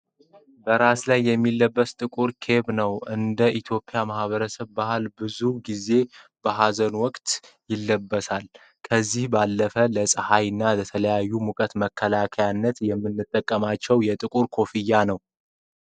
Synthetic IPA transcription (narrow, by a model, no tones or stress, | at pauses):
bəɾaslajːɛmːilːəbːəst̪ʼɨkʼuɾkʰe̞βnəwɨnd̪əʔit̪ʰjo̞pʼjamahβəɾəsəβbahalbɨzuɡize̞b̥əɦazənwɔkʼt̪ | jɪlːəbːəsal | kʰəzːihbalːəfələsʼəhajɨnːalət̪ʰələjajːumukʼət̪məkʰːəlakʰəjanːət̪jɛmːɨnːɨt̪ʼːəkʼːəmat͡ʃːɛwjɛt̪ʼɨkʼuɾkʰo̞fɨjːanəw